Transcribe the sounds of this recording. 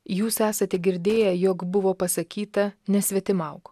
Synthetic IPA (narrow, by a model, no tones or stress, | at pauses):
juːsæːsɐt̪ʲɛɡʲɪɾʲd̪ʲeːjɛjoːkbʊʋoːpɐsɐkʲiːt̪ɐnʲɛsʲʋʲɛt̪ʲɪmɐʊk